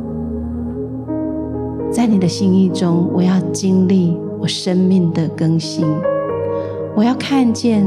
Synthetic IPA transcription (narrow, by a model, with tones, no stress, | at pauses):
t͡sa˥˩ɪni˨˩d̪ə˦ɕi˥˦ŋi˥˩ʈ͡ʂʊ˦ŋwɔ˨˩jɑ˥˨ʊt͡ɕi˦˥ŋli˥˩ | wɔ˨˩ʂə˦nmi˥˩ŋd̪ə˩kə˦ŋɕi˦˥n | wɔ˨jɑ˥˧ʊkʰa˥˧nt͡ɕjɛ˥˨n